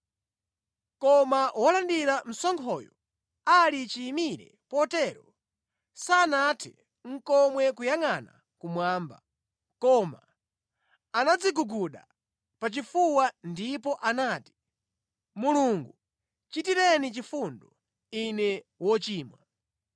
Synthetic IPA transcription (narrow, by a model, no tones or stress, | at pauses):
kɔmawɔlandiɾam̩sɔŋkʰɔjɔ | alit͡ʃiːmiɾɛ̰ | pɔtɛːɾɔ | saːnatʰḭ | ŋ̩kɔmwɛkujaŋana̰ | kumwaːmba̰ | kɔma̰ | anad͡ziɡuɡuɗa̰ | pat͡ʃifuwandipɔʔanaːti̥ | muluŋɡu | t͡ʃitiɾɛnit͡ʃifundɔ | inɛ | wɔt͡ʃiːmwa̰